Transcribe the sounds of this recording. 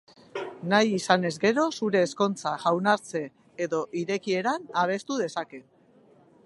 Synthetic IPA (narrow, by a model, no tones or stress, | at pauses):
najisane̞zɡe̞ɾo̞suɾe̞ːsko̞nt͡saʝawnaɾt͡se̞ː | ðo̞ʔiɾe̞kie̞ɾanaβ̞e̞st̪uðe̞sake̞